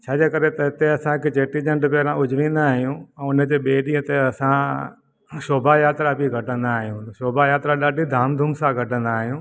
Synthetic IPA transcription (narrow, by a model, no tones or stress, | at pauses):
t͡ɕʰaːd͡ʑeːkɐɾet̪ɐɦɪt̪eɐsãket͡ɕeːʈid͡ʑɐ̃ɳɖpɛːɾãʊd͡ʑʱʋĩːnd̪aːɦijũʊnəd͡ʑeːɓeːɗĩɦə̃t̪eɐsã | ʃoːbajaːt̪ɾabʱiɡʱɐʈə̃nd̪aːɦijũʃoːbajaːt̪ɾaɗaːɖʱid̪ʱaːmd̪ʱʊmsãɡʱɐʈə̃nd̪aːɦijũː